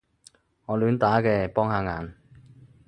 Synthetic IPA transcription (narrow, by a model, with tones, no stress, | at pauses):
ŋɔː˨˧lyː˨˧nt̪aː˨˥kɛː˧pɔː˥ŋhaː˨˧ŋaː˨˧n